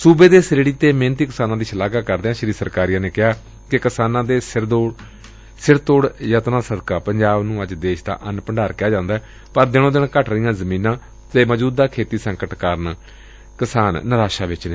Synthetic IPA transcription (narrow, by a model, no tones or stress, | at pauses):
suːbeːd̪eːsɾeːɽiːt̪eːmẽːnt̪iːkɪsaːnãːd̪iːʃəlaːɡaːkəɾd̪eːãːʃəɾiːɾsəɾkaːɾijãːneːkɪɦaː | kɪkɪsaːnãːd̪eːsɪɾd̪oː | sɪɾt̪oːɽjət̪nãːsəd̪kaːpəɲd͡ʒaːbnũːəd͡ʒd̪eːʃd̪a̰ːʔənpəɳɖaːɾkɪjaːd͡ʒãːnd̪aːɛ | pəɾd̪ɪnõːd̪ɪɳkəʈʰɾəijãːzəmĩːnãː | t̪eːməd͡ʒuːd̪aːkʰeːt̪iːsə̃ŋkəʈkəɾn | kɪsaːnːəɾaːʃaːʋɪt͡ʃneː